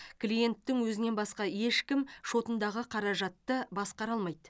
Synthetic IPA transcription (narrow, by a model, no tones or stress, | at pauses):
kʲlije̞nt̪ːɪŋwɵzɪne̞nbɑsqɑje̞ʃkʲɪmʃo̞t̪ənd̪ɑʁəqʰɑɾɑʒɑt̪ːəbɑsqɑɾɑlˠmɑjd̪